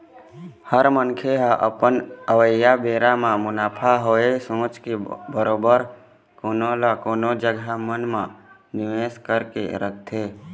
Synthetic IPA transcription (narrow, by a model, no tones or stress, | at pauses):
həɾmənkʰeɦãʔə̰pənəʋəjabeːɾamãmʊnaːpʰaɦoesõːt͡ʃkebəɾoːbəɾ | koːnolakoːnod͡ʒəɡamənmã | nɪʋeskəɾkḛɾəkʰt̪ʰe